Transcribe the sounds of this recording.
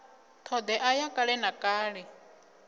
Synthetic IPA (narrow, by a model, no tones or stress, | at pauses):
t̪ʰɔd̪ɛʔajakʼaɺɛnakʼaːɺɛ